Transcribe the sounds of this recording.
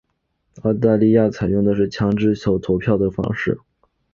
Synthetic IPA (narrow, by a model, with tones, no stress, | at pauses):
ɑ˥˧ʊt̪̬a˥˧li˥˧ja˥˩t͡sʰa˨˩ɪjʊ˥˩ŋd̪ə˩ʂɻ̩˥˩t͡ɕʰjɑ˧˥ŋʈ͡ʂɻ̩˥ɕjɑ˨˩ʊt̪ʰo˧˥ʊpʰjɑ˥˩ʊd̪ə˩fɑ̰˥ŋʂɻ̩˥˩